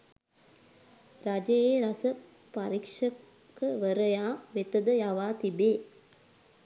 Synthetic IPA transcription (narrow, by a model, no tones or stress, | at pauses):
ɾɐd͡ʒɐjeːɾɐsɐ | pɐɾikʂɐ | kːɯʋɐɾɐjaːʋɛt̪ːɐd̪ɐjaʋaːt̪ibeː